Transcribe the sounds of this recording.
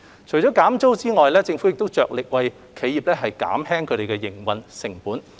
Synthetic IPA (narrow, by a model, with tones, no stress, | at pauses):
t͡ʃʰɵ˨˩ɥt͡sɔː˨˥kaː˨˥mt͡so˥wt͡siː˥ŋɔː˨jlɛː˥t͡sɪ˧ŋfu˨˥jɪ˨k̚t̪o˥wt͡sœː˨k̚lɪ˨k̚wɐ˨j | kʰe˨˥jiː˨p̚lɛː˥ɦɐ˨jka̰ː˨˥mɦɛː˥ŋkʰɵ˨˧ɾe˨jkɛ˧jɪ˨˩ŋwɐ˨nsɪ˨˩ŋpuː˨˥n